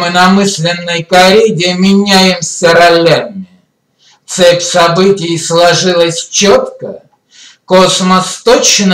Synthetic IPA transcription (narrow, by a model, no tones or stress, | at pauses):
mɨnɐmɨsʲlʲɪnːəjkɐɾʲedʲɪmʲɪnʲæjɪmsʲəɾɐlʲːamʲɪ | t̪sɛpʲsɐbɨtʲɪjslˠɐʐɨlˠəsʲt͡ɕot̪kə | kosməst̪ot͡ɕːn